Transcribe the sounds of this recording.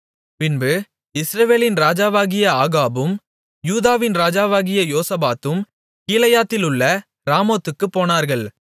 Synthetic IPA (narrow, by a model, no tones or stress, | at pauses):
pɪnbɯ | ɪsɾɐʋeːlɪnɾaːd͡ʒaːʋaːɣɪjɐaːɣaːbɯm | juːðaːʋɪnɾaːd͡ʒaːʋaːɣɪjɐjoːsɐbaːt̪ɯm | kiːlɐjaːt̪ːɪlʊɭːɐ | ɾaːmoːt̪ːɯkːɯpːoːnaːɾɣɐɭ